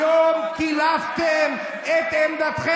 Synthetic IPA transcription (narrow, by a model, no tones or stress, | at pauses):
omkilavt̪em | et̪emd̪at̪χe